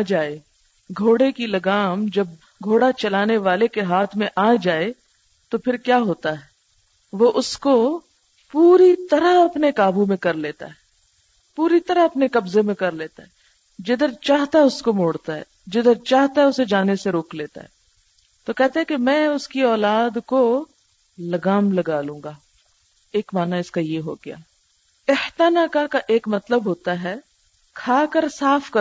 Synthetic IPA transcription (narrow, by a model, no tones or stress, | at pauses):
d͡ʒaːe | ɡʱoːɽekilɐɡaːmd͡ʒɐb̚ | ɡʱoːɽat͡ʃɐlaːneʋaːlekeɦaːt̪ʰmẽʔaːd͡ʒaːe | t̪opʰɪɾkjaːɦoːt̪aɦɛː | ʋoʔʊsko | puːɾit̪ɐɾaɦɐpnekaːbumẽkɐɾleːt̪a̰ɦɛː | puːɾit̪ɐɾaɐpnekɐbzemẽkɐɾleːt̪aɦɛː | d͡ʒɪd̪əɾt͡ʃaːɦt̪aɦɛʊskomoːɽt̪aɦɛ̰ː | d͡ʒɪd̪əɾt͡ʃaːɦt̪aɦɛʊsed͡ʒaːneseɾoːkleːt̪a̰ɦɛ̰ː | t̪okɛɦt̪eɦɛ̃kemɛ̃ːʊskiɔːlaːd̪ko | lɐɡaːmlɐɡaːlũːŋɡaː | eːkmaːnaɪskajeɦo̰ɡɐja̰ː | ɪht̪anaːkakaʔeːkmɐt̪ləbɦoːt̪aɦɛː | kʰaːkəɾsaːfkɐ